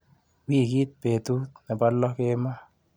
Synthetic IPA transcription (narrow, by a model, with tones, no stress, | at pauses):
wi˦˨ɡi˦t̪̚pe˨t̪u˦t̪na˨ba˦lːɔ˦ke˦ma˦